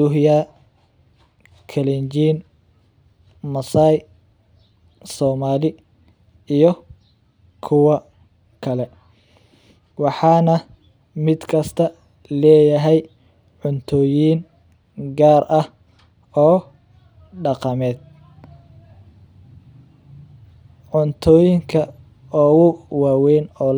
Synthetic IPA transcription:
dʊɦja | kʰɛlɛnd͡ʒiːn | mɐsaːj | sɔːmaːlɪ | ijɔ | kʰʊwɐ | kʰɐlɛ | wɑħɑːnɐ | mɪd̪kʰɐst̪ʰɐ | lɛːjɐɦɛj | ʕʊnt̪ʰɔːjiːn | ɡaːrʔɐh | ɔː | ɖɑqɑmɛːd̪̚ | ʕʊnt̪ʰɔːjɪŋkʰɐ | ɔːɣʊwaːwɛjnɔːl

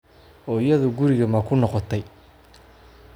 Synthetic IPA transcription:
ɔːɪjɐðʊɡʊɾɪɣɐmɐkʰʊnɔqɔt̪ʰɛj

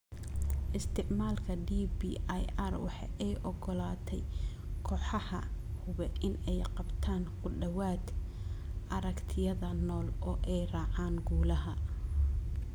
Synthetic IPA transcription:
ʔɪst̪ʰɪʕmaːlkʰɐɖiːbiːajʔaːrwɑ̰ħɑ̰ːʔɛjʔɔɡɔlaːt̪ʰɛj | kʰɔːħɑhɐhʊβɛʔɪnɛjqɑbt̪ʰaːnkʊɖɐwaːd̪ | ʔɐɾɐkt̪ʰɪjɐðɐnɔːlɔːʔɛjrɑːʕaːŋɡuːlɐɦɐ

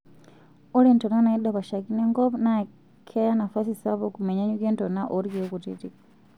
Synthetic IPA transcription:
olentonanaiɗaβaʃakineŋɡoβna | kʰejanafasisaβokumeɲaɲuɡentonaʔoɾkutḭti

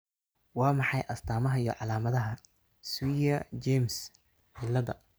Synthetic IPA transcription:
wɑːmɑħɑjʔɐst̪ʰaːmɐɦɐjɔ̰ʕɑlaːmɐðɐɦɐ | swiɐd͡ʒɛms | ħɪlɐðɐ̰

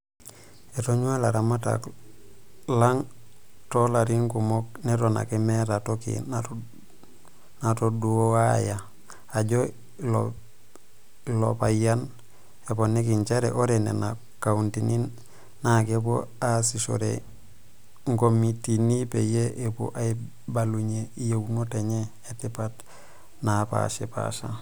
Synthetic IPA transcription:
etoɲualaɾamata̰k | laŋtolaɾiŋkumoknetona̰kemeɾatokḭna | natoduowajaː | ɟo | lo̰ | ilo̰pajan | eponikiɲt͡ʃeɾḛʔoɾenḛna | kauntinin | nakepo̰asiʃo̰ɾḛ | ŋɡomitinipḛjeʔepo̰ʔai | baluɲeijeunoteɲe | etipat | napa̰ʃepa̰ʃa

